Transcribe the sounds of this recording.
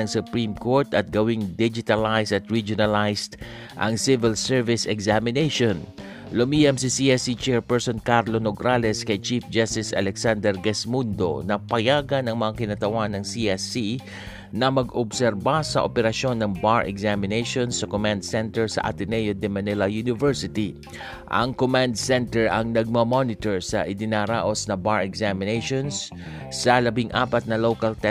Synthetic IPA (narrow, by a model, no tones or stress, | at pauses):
ɐŋsʊpɹimkoɹt̪ɐt̪̚ɡɐwiŋd̪id͡ʒɪt̪ɐlajsɐt̪ɹid͡ʒʊnɐlajst̪ | ʔɐ̰ŋsɪvɪlsɛɹvɪsɛɡsamɪnejʃon | lʊmijɐmsisiɛsit͡ʃɛɹpɛɹsonkaɾlonoɡɾalɛskɐjt͡ʃifd͡ʒast̪ɪsɐ̰lɛksand̪ɛɾɡɛsmund̪o̞̰nɐpɐjaːɡɐnɐŋmɐŋakɪnɐt̪ɐwanɐŋsiɛsi | nɐmɐɡobsɛɾbasɐ̰ʔopɛɾɐʃo̞nːɐŋbaɹʔɛ̰ksamɪnejʃonsɐkomãnd̪̚sɛnt̪ɛɹsɐ̰ʔɐ̰t̪ɪnɛjod̪ɛmɐnɛlɐjunɪvɛɹsɪt̪i | ʔɐ̰ŋkomand̪̚sɛnt̪ɛɹʔɐŋnɐɡ̚mɐmonɪt̪ɛɹsɐʔɪd̪ɪnaɾaːʔo̞snɐbaɹɛksamɪnejʃonsː | ɐlɐbiŋʔa̰ːpɐt̪̚nɐlowkɐlt̪ɛ